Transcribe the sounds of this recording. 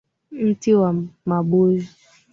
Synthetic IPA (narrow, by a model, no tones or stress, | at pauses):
n̩tiwamaɓozi